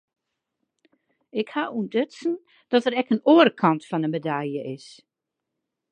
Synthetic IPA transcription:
ɪkhaundøtsn̩ | d̥ɔtərɛkənoərəkʰɑntfɔnəmedajjəʔɪs

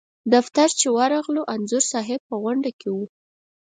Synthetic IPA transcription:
d̪aft̪aɾt͡ʃewaɾɑɣloʔanzʊɾsɑɦɪb̚pəɣwaɳɖakewu

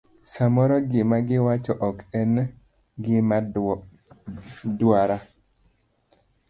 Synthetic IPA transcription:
samɔɾɔɡɪmaɡɪwat͡ʃɔʔɔkɛn | ɡɪm | dwaɾa

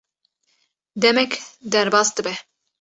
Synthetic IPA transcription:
d̪ɛmɛkd̪ɛɾbɑːsd̪ɨbɛ

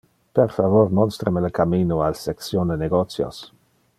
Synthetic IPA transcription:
perfavoɾmɔnst̪ɾəmeləkamiːnoalsɛksjond̪eneɡot̪sjo̰s

